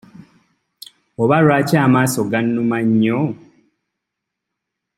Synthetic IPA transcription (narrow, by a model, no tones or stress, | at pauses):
oβaɾwaːcaːmaːsoɡanːumaɲːo